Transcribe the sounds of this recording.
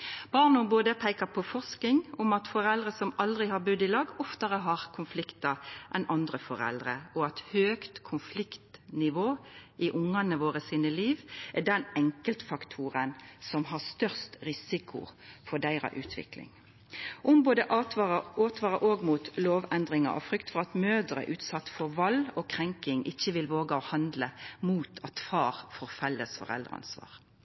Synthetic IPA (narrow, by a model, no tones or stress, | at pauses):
b̥ɑʁnɔboːd̪əpʰæɪkɑpʰɔfɔʁsknɪŋʊmɑt̪fɔɾɛld̪ʁəsɔmɑld̪ʁɪhɑʁbʉd̪ɪlɑɡɔft̪əʁəɦɑʁkʰʊnflɪkt̪ɑʔɛnʔɑnd̪ʁəfɔʁɛ̰ld̪ʁəɔɑt̪høːkt̪kʰʊnflɪkt̪nɪʋoːʔɪʔʊŋːɑnəʋoːʁəsiːnəliːʋʔɛd̪ɛnɛŋkəlt̪fɑkt̪ʰuːɾənsɔmɦɑst̪œʁst̪ʁɪsɪkʰʊ̰fɔɖ̪æɪʁɑ̰ʔʉːt̪ʰʋɪ̰klɪ̰ŋ | ʔʊmboːd̪əʔ̪oːt̪ʋɑːʁɑʔoːɡmuːt̪loːʋɛnd̪ʁɪŋɑ̰ʔɔ̰fɾʏkt̪fɔʁɑt̪møːʁd̪ʁə̰ʔʉːt̪sɑt̪ːfɔɾʋɑlɔkʰʁɛŋkɪŋʔɪçːəʋɪlʋoːɡəɔhɑnd̪ləmuːt̪ʰɑt̪fɑːʁfɔʁfɛlːəsfɔ̰ʁɛ̰ld̪ʁɑ̰nsʋɑ̰ːʁ